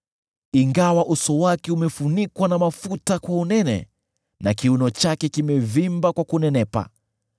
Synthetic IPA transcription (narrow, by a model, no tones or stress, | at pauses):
iŋɡawaʔusɔwakɛumɛfunikwanamafutakwaunɛnɛ̰ | nakiunɔt͡ʃakɛkimɛvimbakwakunɛnɛpa̰